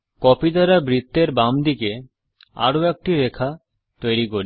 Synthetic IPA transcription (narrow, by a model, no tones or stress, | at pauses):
kɔpid̪aɾabɾit̪ːeɾbamd̪ike | a̰ɾoɛk̚ʈiɾekʰa | t̪ojɾikoɾi